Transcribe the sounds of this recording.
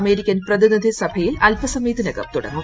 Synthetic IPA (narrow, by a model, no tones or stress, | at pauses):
me̞ːɾikʲːɐnprɐðinid̪ʱisɐbʱɐjilɐlpɐsɐmiːd̪inɐɡɐ̰mt̪uɽɐ̰ŋːu